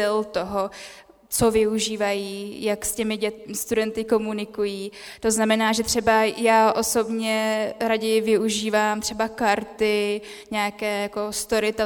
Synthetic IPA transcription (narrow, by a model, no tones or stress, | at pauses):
ɪlt̪o̞ɦo̞ | t͡so̞vɪuʒiːvajiːjakscɛmɪɟɛst̪udɛnt̪ɪko̞munɪkujiː | t̪o̞znamɛnaːʒɛt̪r̥ɛbajaːʔo̞so̞bɲɛɾaɟɛjvɪuʒiːvaːmt̪r̝̥ɛbakaɾt̪ɪ | ɲɛakɛːjako̞st̪o̞ɾɪt̪ɛ